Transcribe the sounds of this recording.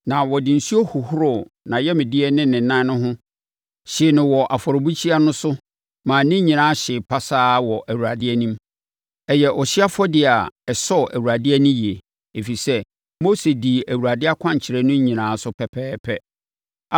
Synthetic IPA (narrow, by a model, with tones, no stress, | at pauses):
nã˨wɔ˨dɪ˨n̩˨su˦o˦hʊ˨hʊ˦ɾʊ˨nã˨jɛ˦mɪ̃˨dɪ˦ɛ˦nɪ̃˦nɪ̃˨nã˦nʊ̃˦ɦʊ̃˦ | ɕɪ˨nɪ̃˨wɔ˨ʔa˨fɔ˨ɾo˨bu˦t͡ɕʰi˦a˦nʊ̃˦sʊ˦ | mãː˨nɪ̃˦ɲĩ˨nã˦ɕɪ˨pʰa˦saː˦wɔ˨ʔæ˨wu˨ɾa˨dɪ˦ɛ˦nĩ˦m | ɛ˨jɛ˨ʔɔ˨ɕɪ˦a˦fɔ˦dɪ˨a˨ɛ˨sɔ˦˨ʔæ˨wu˨ɾa˨dɪ˦ɛ˦nʊ̃˦ji˨e˨ | e˨fi˨sɛ˦ | mo˦se˨di˨æ˨wu˨ɾa˨dɪ˦a˦kʷʰã˦ɲ˨t͡ɕʰɪ˨ɾɛ˦nʊ̃˦ɲĩ˨nãː˨˦sʊ˦pʰɛ˨pʰɛː˦pʰɛ˦